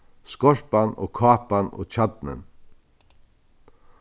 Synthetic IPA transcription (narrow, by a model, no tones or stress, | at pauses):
skɔɹpano̰ːkʰɑːpano̰ːt͡ʃad̪̚nə̰n